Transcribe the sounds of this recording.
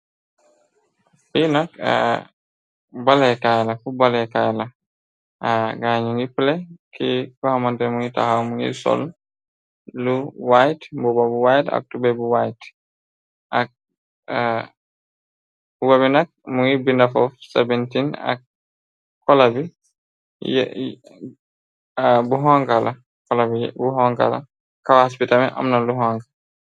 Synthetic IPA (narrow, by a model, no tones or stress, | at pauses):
finaka̰ | balɛkajlafubalɛkajla | ʔaɡaɲuŋipulɛkikɔhamantɛmuŋita̰hawmuŋḭsɔ̰l | luwajtmbubabuwajta̰k̚tubɛbuwajt | ak̚ | bubabinak̚muibindafɔfsɛbɛntina̰k̚ | kːɔlabi | jɛ | buɦaŋkala | kɔlabijɛ̰buɦɔ̃ŋka̰la̰ | kawaaspitamɛʔa̰mnaluɦaŋka